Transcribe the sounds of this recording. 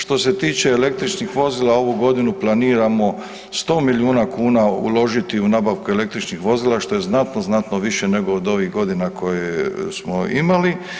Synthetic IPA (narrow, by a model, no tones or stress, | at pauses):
ʃt̪o̞se̞t̪iːt͡ʃe̞ːle̞k̚t̪ɾit͡ʃnixʋo̞ziːlˠao̞ʋuɡo̞d̪inuplˠaniːɾamo̞ | st̪o̞ːmiljuːnakuːnaṵlo̞ʒit̪iunabaʋkuele̞k̚t̪ɾit͡ʃnixʋo̞ziːlaʃt̪o̞je̞znat̪noznat̪no̞ʋiʃe̞ne̞ɡo̞ːd̪o̞ʋiɣɡo̞d̪inako̞jesmo̰imali